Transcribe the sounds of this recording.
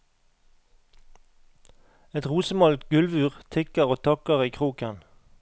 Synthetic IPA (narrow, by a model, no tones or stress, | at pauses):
ɛt̪ʁuːsəmɑlt̪ɡʉlʋʉːʁt̪ʰɪkəʁoːt̪ʰɑkəʁiːkʰʁuːkən